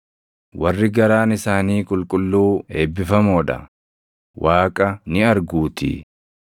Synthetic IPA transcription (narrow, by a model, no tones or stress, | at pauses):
wɐrːɪɡɐɾaːnɪsaːniːkʼʊlkʼʊlːuːeːbːɪfɐmoːᶑɐ̰ | wʔaːkʼɐnɪɐɾɡuːt̪ɪ̰